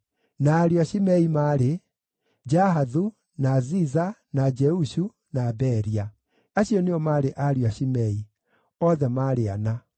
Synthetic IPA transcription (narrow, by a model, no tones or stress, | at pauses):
naːɾiaɕimɛimaːɾe | d͡ʒaɦaðu | nazizanad͡ʒɛuɕu | nabɛɾia | aɕjɔneɔmaːɾeʔaɾiwaɕimɛi | ɔðɛmaːɾea̰na